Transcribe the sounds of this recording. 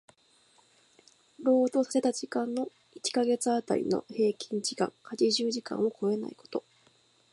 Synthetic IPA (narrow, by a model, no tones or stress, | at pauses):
ɾo̞ːd̪o̞ːsḁse̞t̪ad͡ʑikãnnːo̞ | it͡ɕi̥kaɡe̞t͡sɨat̪a̰ɾʲḭno̞̰he̞ːkʲʰĩɲd͡ʑikã̰ŋhad͡ʑiʑɨːʑikã̰ɰ̃o̞kʰo̞e̞na̰iko̞̥t̪o̞